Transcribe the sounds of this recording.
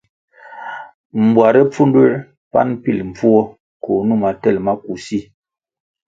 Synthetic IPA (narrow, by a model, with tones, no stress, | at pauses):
m̩˨bwa˨ɾɛ˦p͡fu˦ndwe˦ɾ | pa̰˦npi˦˨lm̩˨b͡vu˦ɔ˦ | ko˨nu˦˨ma˨tɛ˦˨lma˦ku˨si˦